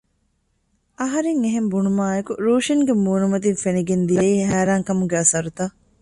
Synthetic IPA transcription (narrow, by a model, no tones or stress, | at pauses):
ɐɦɐɾeŋeɦembunumaːekuɾuːʃiŋɡemuːnumɐt̪infeniɡend̪ijɐiːhæːɾaːŋkɐmuɡeɐsɐɾut̪a